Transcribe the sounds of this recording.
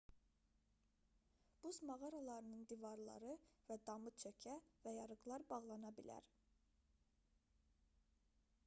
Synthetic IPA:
b̥uzmɑʁɑɾɑlˠɑɾɯnɯnd̪ivɑɾlˠɑ̰ɾɯvæd̪ɑmɯt͡ʃʰøcʰævæjɑɾɯɣlˠɑɾbɑʁlˠɑnɑbilæ̰ɾ

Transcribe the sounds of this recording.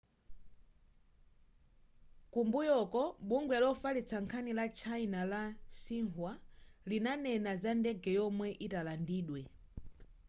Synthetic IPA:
kumbujɔkɔɓuŋɡwɛlɔfalit͡sʰaŋkʰanilat͡ʃʰainalasiŋhwalinanɛnazandɛɡɛjɔmwɛʔitalandiːɗwɛ

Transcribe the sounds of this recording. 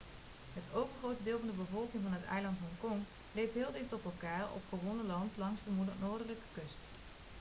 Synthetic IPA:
ɦətʰowvəχrowtədɪːlˠvɑndəbəvɔlˠkɪŋvɑnɦətɛ̰jlɑntɦɔŋkɔŋ | lejftɦɪːlˠdɪχtɔpɛlˠkaːɹɔ̰pχəʋɔnəlɑntlɑŋzdəmunoːɹdələkə̥kɵst

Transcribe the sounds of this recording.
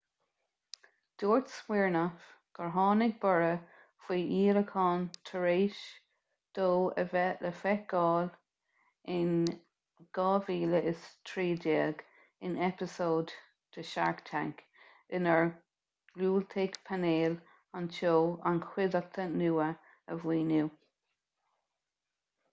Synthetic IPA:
d̪̥oːɹtswiːɹnəfɡ̥əɹɦɑːnɪɡ̚bɔɹə | fwiːʔiːɾəkʰɑːnt̪ʰəɹeːʃ | d̪̥oːə̰vɛlʔəfɛɡ̥ɑːl | ɪn | ɡ̥ɑːviːləʔɪst̪ʰɹiːdeːɡ | ɪnɛpɪsoːd̪ | t̪ʰəʃa̰ɹkt̪ʰa̰ŋk | ɪnəɹ | ɡ̥luːlt̪ʰeːɡpʰaneːl | anʃoːankʰwɪd̪ək̚t̪ʰənuːə | əvwiːnuː

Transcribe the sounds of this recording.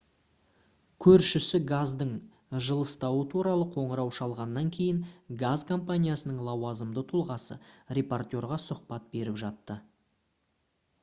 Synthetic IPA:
kʲʰɵɾʃɪsɪɡazd̪əɴ | ʒəlˠəst̪ɑwət̪ʰuɾɑlˠəqʰo̞ɴəɾɑwʃɑlˠʁɑnːɑŋkʲʰe̞jɪŋɡazkʰo̞mpanʲijasənəɴlˠɑwɑzəmd̪ət̪ʰʊlˠʁɑsə̰rʲe̞port̪ʲjo̞ɾʁɑsʊqpɑt̪̚be̞ɾɪpʒɑt̪ːə

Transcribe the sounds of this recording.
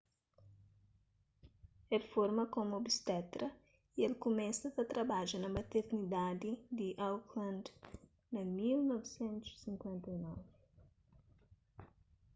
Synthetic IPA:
ɛlfoɾmɐkomobist̪ɛt̪ɾɐ | iɛlkumɛ̃sɐt̪ɐt̪ɾɐbaʒɐnɐmɐt̪eɾnid̪ad̪id̪iʔawklɐ̃nd̪ | nɐmilnɔvisɛ̃nt̪u̥sːĩŋkwɛ̃nt̪ɐinɔvi

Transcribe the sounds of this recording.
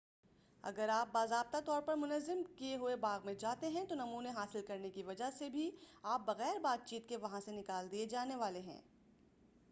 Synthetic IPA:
ɐ̰ɡəɾaːp̚baːzaːb̚t̪at̪ɔːɾpɐɾmʊnəzːɪmkieɦʊebaːɣmẽd͡ʒaːt̪eɦɛ̃t̪onɐmuːneɦaːsɪlkɐɾnekiʋɐd͡ʒasebʱiaːp̚bɐɣɛːɾbaːt̪̚t͡ʃiːt̪keʋɐɦãsenɪkaːld̪ied͡ʒaːneʋaːleɦɛ̰̃ː

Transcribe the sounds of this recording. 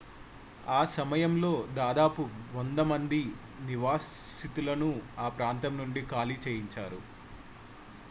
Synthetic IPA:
aːsɐmɐjɐmlo̞ːd̪aːd̪aːpuʋond̪ɐmɐnd̪i | niʋaːs | it̪ulɐnuaːpɾaːnt̪ɐmnuɳɖikaːlit͡ʃeːjiɲt͡ʃaːɾu

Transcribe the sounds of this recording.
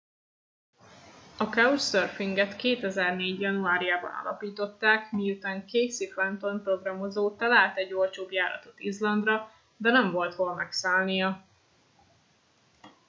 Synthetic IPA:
ɒkɛussørfiŋɡɛt̪keːt̪ɛzɛrneːɟjɒnuaːɾijaːbɒ̰nɒ̰lɒ̰piːt̪o̞t̪ːaːkmijut̪aːŋkeːsifɛnt̪onpro̞ɡrɒmo̞zoːt̪ɒlaːlt̪ɛɟːo̞lt͡ʃoːbjaːɾɒ̰t̪o̞t̪izlɒnd̪rɒ | d̪ɛnɛɱvo̞lt̪holmɛksaːlnijɒ

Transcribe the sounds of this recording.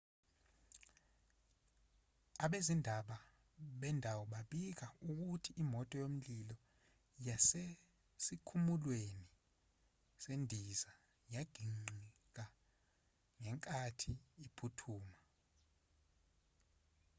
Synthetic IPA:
aɓezindʱaɓa | ɓɛndʱawɔɓaɓik̬auk̬utʰiʔimɔtʼɔjom̩lilɔ | jase | sikʰumulweni | sendʱiza | jaɡ̥ʱiŋ͡ǀʱi | k̬a | ŋɛŋkʼatʰiːpʰutʰuːma

